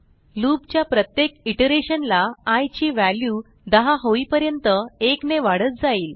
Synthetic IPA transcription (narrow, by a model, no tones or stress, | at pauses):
lubt͡ɕjapɾət̪jekiʈəɾeɕənlaajt͡ɕiːʋælju | d̪əɦaɦoiːpəɾjənt̪əekneʋaɽət̪̚d͡zaiːl